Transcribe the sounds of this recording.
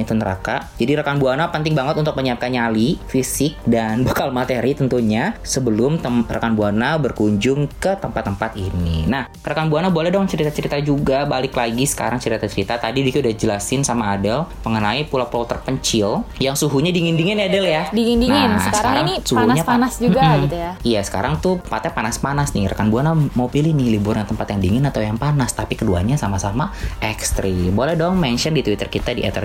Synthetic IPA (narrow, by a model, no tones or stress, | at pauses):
it̪unəɾa̰kad͡ʒadiɾakanbuanapənt̪ɪŋbaŋət̪unt̪ʊk̚məɲiap̚kanɲalifisɪk̚danbokalmat̪eɾit̪ənt̪uɲasəbəlʊmt̪əra̰kanbuanabərkuɲd͡ʒʊŋkət̪əmpat̪ːəmpat̪inḭnah | ɾakanbuanabualɛdɔŋnt͡ʃəɾit̪at͡ʃəɾit̪ad͡ʒuɡabalɪklaɡisə̥ka̰ɾaŋt͡ʃəɾit̪at͡ʃəɾit̪at̪adidik̪udahd͡ʒəlasɪnsamaːdəməŋənaipulapulot̪ərpəɲt͡ʃɪljaŋsuɦuɲadiŋindiŋɪnadəljadiŋindinŋɪsəɾaɾaŋnisuahunaɲapanasd͡ʒuɡaɡit̪ujijasə̥ka̰ɾaŋt̪upat̪apanaspanasnɪ̰ɾakanbuanamawpilɪhnɪhliburɲat̪əmpat̪jaŋdiŋɪnat̪awjaŋpanast̪apikədua̰ɲasamasamaʔɛkst̪ɾibolɛhdɔŋmɛnʃɔndit̪wit̪ərkit̪adiʔɛ̰t̪ər